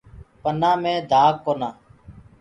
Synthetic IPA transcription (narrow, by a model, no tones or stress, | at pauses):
pənãːmẽːd̪ʱaːkːoːnaː